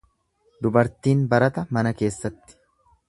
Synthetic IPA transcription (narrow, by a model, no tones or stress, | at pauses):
d̪ʊbɐɾt̪iːnbɐɾɐt̪ɐmɐnɐke̞ːsːɐt̪ːɪ̥